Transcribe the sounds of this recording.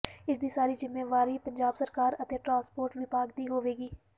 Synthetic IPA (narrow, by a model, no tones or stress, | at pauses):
ɪsd̪iːsaːɾiːzɪmːeːʋaːɾiːpəɲd͡ʒaːbsəɾkaːɾət̪eːʈɾãːnspoːɾʈʋipaːɡd̪iːɦoːʋeːɡiː